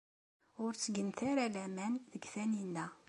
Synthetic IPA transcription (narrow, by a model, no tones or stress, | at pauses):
ʊɾt͡sːəɡənt̪aɾalæmænðəɡθæninːæ